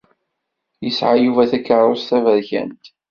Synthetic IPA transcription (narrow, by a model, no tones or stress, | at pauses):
jəsʕajuvæθækːəɾˤʊst̪ævæðçæ̰nt̪